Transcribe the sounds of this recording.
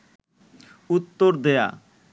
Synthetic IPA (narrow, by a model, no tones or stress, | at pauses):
ut̪ːoɾd̪ea̰